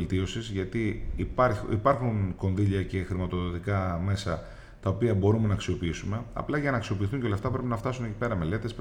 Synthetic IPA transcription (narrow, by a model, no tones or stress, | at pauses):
lt̪io̞sizʝɐt̪ipɐɾḭpɐɾxunko̞nðiʎɐce̞xɾimɐt̪o̞ðo̞t̪ikɐme̞sɐ | t̪ɐopiɐbo̞ɾume̞nɐːksio̞piisume̞ɐ̰plɐʝɐnɐːksio̞piːθuɲceolɐft̪ɐpɾepinɐft̪ɐsune̞cipe̞ɾɐme̞le̞t̪e̞s